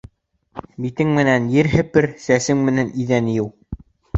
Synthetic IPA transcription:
bit̪ɘŋmɘ̆nænjɘɾɦɘ̆pɘɾsæsɘŋmɘ̆næniðænjɘw

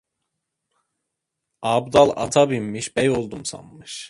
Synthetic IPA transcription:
ɑːbd̪ɑlˠɑ̰t̪ʰɑbimːiʃbɛjolˠd̪umsɑ̰mːɯʃ

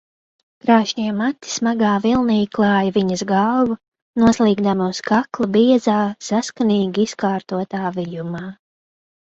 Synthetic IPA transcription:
kɾaːʃɲiɛmat̪ːi̥smaɡaːvilˠniːɡklˠɑːjɐviɲɐzɡawvu | nuɔslˠiːɡd̪amiuskaklˠabiɛzaːsaskaniːɡʲiiskaːɾt̪uɔt̪aːvijumaː

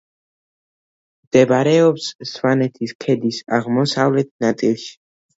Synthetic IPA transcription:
md̪ɛbaɾɛɔpssvanɛt̪ʰiskʰɛd̪isaʁmɔsavlɛt̪̚ʰnat̪sʼilˠʃi̥

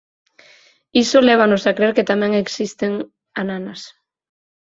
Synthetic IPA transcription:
isolɛβ̞anosakɾeɾket̪amɛ̃ŋeksist̪eŋ | ananɐs

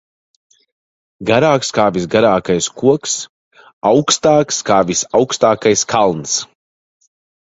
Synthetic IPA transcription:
ɡaɾaːkskaːvisɡaɾaːkajskuɔks | awkst̪aːkskaːvisawkst̪aːkajskʰalˠns

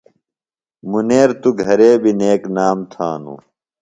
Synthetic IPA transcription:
muneːɾt̪uɡʱɐɾeːbʱineːknaːmt̪ʰaːnṵː

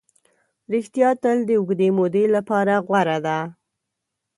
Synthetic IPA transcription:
ɾɪxt̪jɑt̪əld̪əʊɡd̪emod̪elapɑɾaɣwaɾad̪a

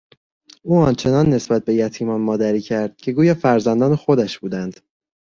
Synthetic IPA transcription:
ʔuːɒnt͡ʃʰe̞nɒnːe̞sbæt̪̚be̞jæt̪ʰiːmɒːnmɒːd̪æɾiːcʰæɾd̪̥̚cʰe̞ɡuːjɒːfæɾzænd̪ɒːnexod̪æʃb̥uːd̪ænd̪̥

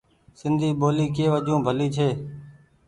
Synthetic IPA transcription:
sɪnd̪ʱiːɓoːliːkeːʋəʄõːbʱəliːt͡ʃʰeː

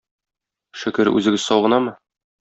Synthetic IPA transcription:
ʃɘ̆kɘɾʉ̰zɘ̆ɡɘzsɒwʁɤ̆nɑmɤ

